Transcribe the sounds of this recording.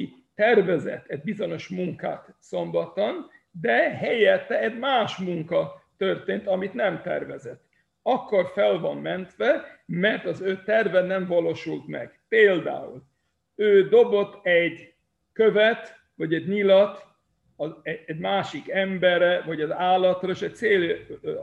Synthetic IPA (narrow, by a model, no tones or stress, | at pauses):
t̪ɛrvɛzɛ̰t̪ʰɛɟbizo̞ɲo̞ʃmuŋka̰ːt̪so̞mbɒt̪on | d̪ɛɦɛjɛt̪ːɛɛɟmaːʃmuŋkɒt̪ø̞rt̪eːnt̪ɒmit̪nɛmt̪ɛ̰rvɛzɛt̪ː | ɒkːo̞rfɛlvɒmmɛnt̪ʋɛmɛrt̪ɒzøːt̪ɛrvɛnɛɱvɒloːʃult̪mɛ̰ɡ̥peːld̪a̰ːṵl | øːd̪o̞bo̞t̪ːɛɟ | køvɛt̪ | ʋɒɟɛɟɲilɒt̪ | ɒɛɛɟmaːʃikɛmbɛrːɛvɒɟɒzaːlːɒt̪rɒeʃɛc̚t̪seːl